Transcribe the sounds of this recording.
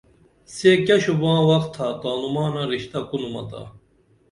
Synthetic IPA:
seːkɐɕubãːwɐkt̪ʰat̪aːnumaːnaɾiɕt̪ɐkunumɐ̰t̪a̰

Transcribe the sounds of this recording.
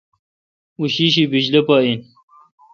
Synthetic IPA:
uɕiɕ̬ibid͡ʑlepain

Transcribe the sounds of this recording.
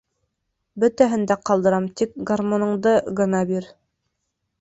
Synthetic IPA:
bɵ̆t̪æɦɘ̆nd̪æqɑlˠd̪ɤ̆ɾɑmt̪ik̚ɡarmonɤ̆ɴd̪ɤʁɤ̆nɑbiɾ

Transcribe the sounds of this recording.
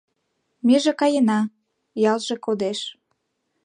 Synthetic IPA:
meʒĕkɑjenɑ | jɑlʒekod̪eʃ

